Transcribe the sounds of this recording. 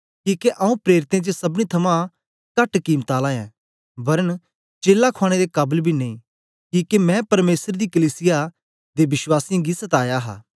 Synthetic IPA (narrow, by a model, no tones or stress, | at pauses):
kiːkeʔãːũpɾeːɾɪt̪ẽt͡ʃəsɐbñit̪ʰɐmã | kɐʈkiːmt̪aːlãːjɛ̰̃ | bɐɾən | t͡ʃeːlːakʰaːɽ̃ed̪ekɐːbəlbʱinẽĩ | kiːkemɛ̃pɐɾmeːsəɾd̪ikɐliːsɪja | d̪ebɪswaːsɪjãɡisɐt̪aːjaɦa̰ː